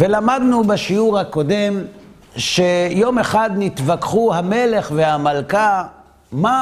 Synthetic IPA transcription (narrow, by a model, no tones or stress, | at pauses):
velamad̪nubaʃiuʁhako̞de̞m | ʃe̞jo̞me̞χad̪nit̪vakχuhame̞le̞χvehamalka | ma